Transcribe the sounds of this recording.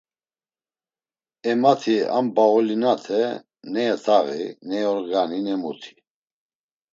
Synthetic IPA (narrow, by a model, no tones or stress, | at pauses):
ɛmat̪ʰia̰mbaɔlinat̪ʰɛ | nɛɛt̪ʰaɣḭnɛɔɾɡaninɛmut̪ʰi̥